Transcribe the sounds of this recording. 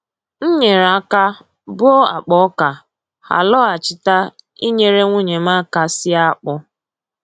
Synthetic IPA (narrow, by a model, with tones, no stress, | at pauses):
n̩˦ɲe˨ɾa˨˦ka˦ | bʊ˦o˦a̰˨k͡pɔ˨˦ka˨ | ha̰˨lɔ˦a˨t͡ʃɪ˨ta˦i˦ɲe˦ɾe˦ŋʷu˦ɲe˨ma˦ka˨sɪ˦a˦k͡pɔ˦